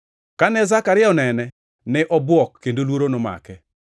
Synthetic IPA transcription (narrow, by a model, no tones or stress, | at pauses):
kanɛzakaɾɪɔnɛnɛ | nɛʔɔbwɔkːendolwoɾonoma̰kɛ